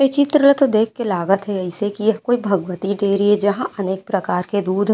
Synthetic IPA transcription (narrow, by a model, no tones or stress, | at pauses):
et͡ʃɪt̪ɾələt̪od̪eːkʰkelaːɡət̪ɦɛɐɪsekijɐɦkoːibʱɐɡʋət̪iɖeːɾied͡ʒɐɦãʔɐneːk̚pɾɐkaːɾked̪uːd̪ʱ